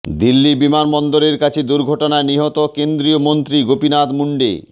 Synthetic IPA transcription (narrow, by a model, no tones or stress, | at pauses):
d̪ilːibimanbɔnd̪oɾeɾkat͡ɕʰed̪uɾɡʱɔʈonaeniɦɔt̪okend̪ɾiomont̪ɾiɡopinat̪muɳɖḛ